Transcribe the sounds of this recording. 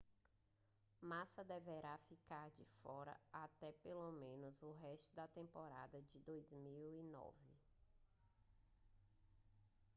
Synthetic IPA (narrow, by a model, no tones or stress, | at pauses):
masɐd̪eveɾafikaɾd͡ʒɪfɔɾɐ̰at̪ɛpelomẽnʊzʊɦɛʃt̪ʊd̪ɐt̪ẽmpɔɾa̰d̪ɐd͡ʒɪd̪ojzmiwinɔ̰vɪ